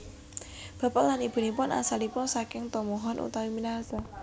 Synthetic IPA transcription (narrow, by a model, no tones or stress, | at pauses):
b̥ä̤palanib̥ṳnipʊna̰salipʊnsakɪŋt̪ɔmɔɦɔnʔṵt̪awiminasa